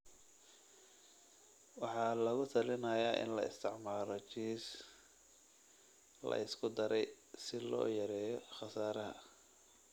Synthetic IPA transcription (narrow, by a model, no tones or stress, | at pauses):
wɑħɑːlɐɣʊt̪ʰɐlɪnɐːjaːʔɪ̰nlɐɪ̰st̪ʰɪʕmaːɾɔt͡ʃiːs | lɐ̰ʔɪskʰʊd̪ɐɾɛj | sɪlɔ̰ːjɐɾɛːjɔχɑsaːɾɐɦɐ̰